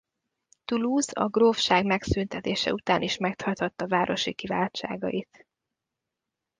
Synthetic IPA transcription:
t̪uluːzɒ̰ɡrofʃaːɡmɛksynt̪ɛt̪eːʃɛ̰ut̪aːnʔiʃmɛkt̪hɒt̪hɒt̪ːɒvaːɾʔo̞ʃikiva̰ːt͡ʃa̰ːɡɒ̰jit̪

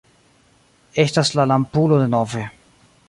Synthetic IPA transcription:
e̞staslalampulo̞de̞no̞ve̞

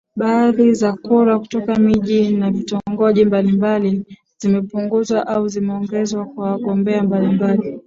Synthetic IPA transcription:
ɓaðizakuɾaku̥tɔkamiʄinavitɔŋɡɔʄimbalimbali | z̥imɛpuŋɡuzwaʔauzimɛɔŋɡɛzwakwawaɠɔmbɛambalimbali

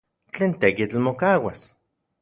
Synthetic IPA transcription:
t͡ɬeːnt̪ekit͡ɬmokawas

